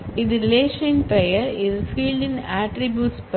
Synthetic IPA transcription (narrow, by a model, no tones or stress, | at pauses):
ɪd̪ɾɪleːʃə̃nɪ̃npɾejəɾɪzfiːlɖɪ̃næːʈɾɪbjuːʈsp